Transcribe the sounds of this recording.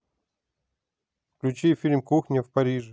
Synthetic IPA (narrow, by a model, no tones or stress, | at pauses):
fklʲʉt͡ɕifʲilʲmkuxnʲəfpɐɾʲiʐɨ